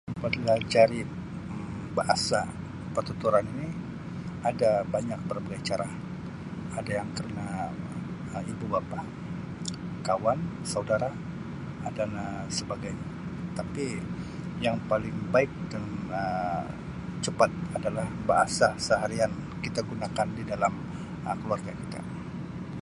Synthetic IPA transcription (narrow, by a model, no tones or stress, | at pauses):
padilad͡ʒaɾi | ə | baʔasa | pərt̪ut̪uɾanini | adabaɲak̚pərbaɡajt͡ʃaɾa | adajaŋkəɾəna | əibubapa | kawan | saudaɾa | danə | səbaɡajɲa | t̪api | jaŋpalɪŋbaɪk̚danə | t͡ʃəpat̪̚adalahba̰ʔa̰sasəɦaɾian | kit̪aɡunakandidalam | əkəluarɡaki̥t̪a̰